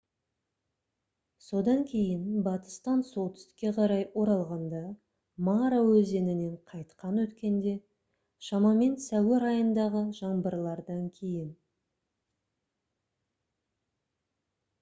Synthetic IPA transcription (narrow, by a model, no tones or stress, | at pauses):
so̞d̪ɑŋkʲʰe̞jɪnbɑt̪ə̥st̪ɑnso̞lˠt̪ʰʏ̥st̪ɪ̥kʲːe̞qʰɑɾɑjwo̞ɾɑlˠʁɑnd̪ɑ | mɑɾawɵze̞nɪne̞ɴqʰɑjt̪qɑnwɵt̪kʲe̞nd̪e̞ | ʃɑmɑme̞nsæweɾɑjənd̪ɑʁəʒɑɴbəɾlˠɑɾd̪ɑŋkʲʰe̞jɪn